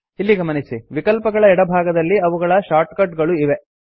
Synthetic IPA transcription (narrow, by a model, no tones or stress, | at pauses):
ilːiɡɐmɐnisiʋikɐlpɐɡɐɭɐɛɽɐbʱaːɡɐd̪ɐlːiɐʋuɡɐɭɐʃaːɾʈkɐɖɡɐɭuiʋe